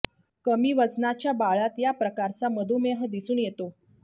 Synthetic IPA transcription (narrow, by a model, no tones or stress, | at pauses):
kəmiːʋəd͡znat͡ɕjabaɭat̪japɾəkaɾt͡saməd̪ʱumeɦəd̪isuːnjet̪o